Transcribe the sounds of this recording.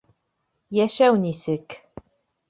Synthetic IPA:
jæʃæwnisɘk

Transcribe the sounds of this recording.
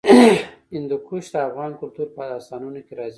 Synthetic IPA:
ɪnd̪ukuʃd̪əafɣɑnkʊlt̪uɾpəɑsɑnunokeɾɑzi

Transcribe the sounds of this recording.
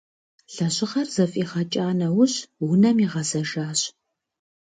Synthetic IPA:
ɬɐɕʼɪʁɐrzɐfʼiːχɐt͡ʃʼaːnɐwʊɕwʊnɐmiːʁɐzɐʒaːɕ

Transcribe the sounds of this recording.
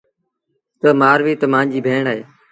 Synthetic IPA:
t̪əmaːɾʋiːt̪əmãːnd͡ʒiːbʱeːɳaːɦeː

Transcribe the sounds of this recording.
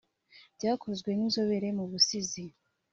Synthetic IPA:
bɟaːkʰo̞zɡwe̞nizo̞βeɾe̞muβusizi

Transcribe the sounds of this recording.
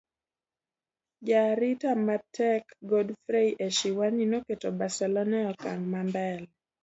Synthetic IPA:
d͡ʒaɾitamatɛkɡodfɾeiʔeʃiwaninoketobasɛlɔnɛɔkaŋmambɛl

